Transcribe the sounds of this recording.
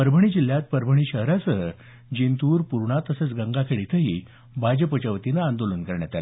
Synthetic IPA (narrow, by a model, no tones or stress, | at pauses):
pəɾbʱəɳ̃iːd͡ʑil̤jat̪̚pəɾbʱəɳ̃iːɕəɦɾasəɦə | d͡ʑint̪uːɾpuɾɳat̪əsət͡sɡəŋɡakʰeɭit̪ʰəɦiː | bad͡ʑəpət͡ɕəʋt̪inaːnd̪olənkəɾɳjat̪al